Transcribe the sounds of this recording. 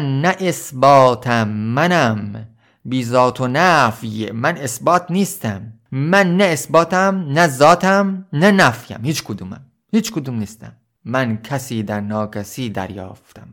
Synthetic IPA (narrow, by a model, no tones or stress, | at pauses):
nːæʔesbɒːt̪ʰæmːænæm | biːzɒːt̪ʰonæfjemæne̞sbɒːt̪ʰniːst̪æmːænːæesbɒːt̪ʰæmnæzɒːt̪ʰæmnænæfjæ̰mhiːt͡ʃkʰod̪umæ̰m | hiːt͡ʃkʰod̪umniːst̪æ̰mː | ænkʰæsiːd̪æɾnɒːkʰæsiːd̪æ̰ɾjɒ̰ːft̪ʰæm